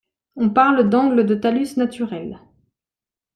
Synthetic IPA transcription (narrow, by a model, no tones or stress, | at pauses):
ɔ̃paʁld̪ɑ̃ɡləd̪ət̪alysnat̪yʁɛl